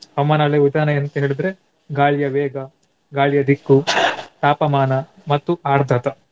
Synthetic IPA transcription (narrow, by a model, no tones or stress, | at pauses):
ɐʋmaːnɐɐɭeud̪aːnɐent̪ɐɦe̞ːɭid̪ɐɾe | ɡaːɭjɐʋeːɡɐ | ɡaːɭjɐd̪ʱikːut̪aːpɐmaːnɐmɐt̪ːuʔaːɾd̪ʱɐt̪ɐ